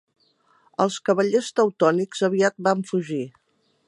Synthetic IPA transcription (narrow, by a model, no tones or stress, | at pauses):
əlˠskəβəʎest̪əwt̪ɔnikz̥əβiat̪̚baɱfuʒi